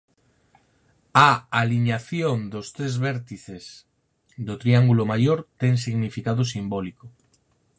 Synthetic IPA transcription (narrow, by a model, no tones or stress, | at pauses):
aaliɲaθjond̪ost̪ɾezβɛɾt̪iθes | d̪ot̪ɾiaŋɡulomajoɾt̪eŋs̬iɣnifikaðosimboliko